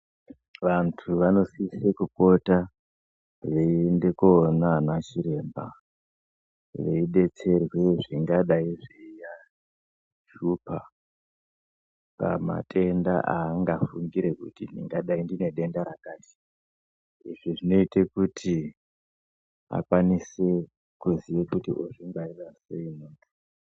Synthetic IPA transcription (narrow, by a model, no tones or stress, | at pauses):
ʋantʰuʋano̞sisekuko̞ta | ʐende̞koːnanat͡ʃiɾe̞ːmba̰ | ʋe̞iɗe̞t͡se̞rwe̞ʐiŋɡaɗaiʐeija | ʃupʰa | pa̰ma̰tʼʰe̞nda̰ʔaːŋɡafuŋɡiɾe̞kṵtindiŋɡaɗaindine̞ɗe̞ndaɾakaːti̥ | iʐiʐino̞itekutʰi | a̰kwanise̞ | kuziʋekutḭʔoʐiŋɡaiʋaseinoːtu